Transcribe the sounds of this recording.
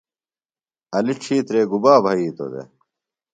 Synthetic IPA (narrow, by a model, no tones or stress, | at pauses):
ɐliʈ͡ʂʰiːt̪ɾeːɡubaːbʱɐiːt̪o̰d̪ḛ